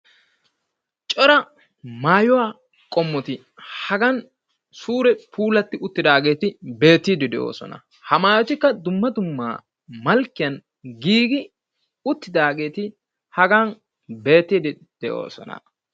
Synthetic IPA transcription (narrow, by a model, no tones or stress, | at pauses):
t͡ʃʼɔɾɐ | maːjʊwaː | kʼɔmːɔt̪ɪ | hɐɡɐn | suːɾɛpʰuːlɐt̪ːɪʊt̪ːɪd̪aːɡe̞ːt̪ɪbe̞ːt̪ːiːd̪ɪd̪ɛʔo̰ːsɔ̰nɐ̰ | hɐmaːjɔt̪ɪkːɐd̪ʊmːɐd̪ʊmːa̰ː | mɐlkːɪjɐn | ɡiːɡɪ | ʊt̪ːɪd̪aːɡe̞ːt̪ɪ | hɐɡan | be̞ːt̪ːiːd̪ɪ | d̪̥ɛʔo̞̰ːsɔ̰nɐ̰